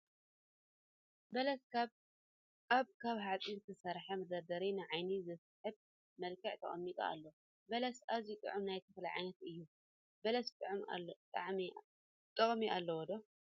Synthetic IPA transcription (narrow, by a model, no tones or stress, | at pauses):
bɐlɐs | ʔaβkʰaβɦat͡sʼizt̪ʰɨsɐɾħamɐd̪ɐɾd̪ɐɾinɨʕajnizɨsħɨb̚ | mɐlkʰɐʕt̪ʰɐ̰χʼɐmːit̪ʼɐ̰a̰lːo | bɐlɐsazit̪ʼɨ̰ʕɨmnajt̪ʰɐfla̰ʕa̰jnɐt̪ɨjːu | bɐlɐst̪ʼɨʕɨma̰t̪ʼaʕmi | t̪ʼɐkʼmiʔalːɐwɔd̪o